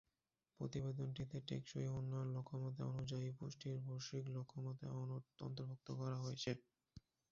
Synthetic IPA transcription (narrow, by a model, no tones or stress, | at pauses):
pɾot̪ibed̪onʈit̪eʈḛkʃoiunːooɾlokʰːomot̪̬a̰onud͡ʑaipuʃʈiɾbʱoɾʃiklokʰːomot̪aɔnoɔ̰nt̪oɾbʱok̚t̪okɔɾaɦojet͡ɕʰe